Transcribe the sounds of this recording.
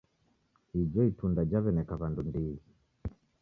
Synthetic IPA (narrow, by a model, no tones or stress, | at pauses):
hid͡ʒɔitundad͡ʒaβɛnɛkaβandundi